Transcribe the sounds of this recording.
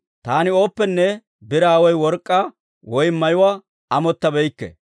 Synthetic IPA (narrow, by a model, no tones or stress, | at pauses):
t̪aːnɪo̞ːpːɛnːɛ | bɪɾaːwɔjwɔɾkʼːa | wɔjmːɐjʊwaː | ɐmɔt̪ːɐbɛjkːɛ̰